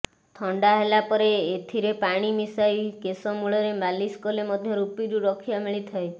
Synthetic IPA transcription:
t̪ʰɔɳɖaɦelapɔɾeːt̪ʰiɾepaɽ̃imisajkesɔmuɭɔɾemaliskolemɔd̪ʱjɔɾupiɾuɾɔkʰijamiɭit̪ʰae

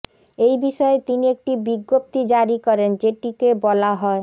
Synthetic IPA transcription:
ejbiʃɔet̪iniek̚ʈibiɡːop̚t̪id͡ʑaɾikɔɾend͡ʑeʈikebɔlaɦɔe

